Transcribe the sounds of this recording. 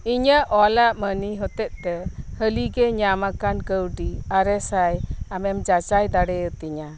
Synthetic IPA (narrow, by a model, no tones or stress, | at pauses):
iɲəʔʔɔlaʔməniɦɔt̪ɛt̪̚ˀt̪ɛhəliɡɛɲamakankəwɖiaɾɛsajamɛmd͡ʒat͡ʃajd̪aɽɛət̪ɛɲa